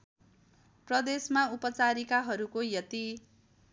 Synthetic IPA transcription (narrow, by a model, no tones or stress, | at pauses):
prʌd̪esmaupʌt͡saɾikaɦʌɾukojʌt̪i